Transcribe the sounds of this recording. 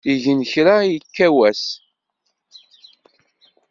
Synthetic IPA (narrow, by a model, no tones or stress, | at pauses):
iʝənçɾajəkːæwæs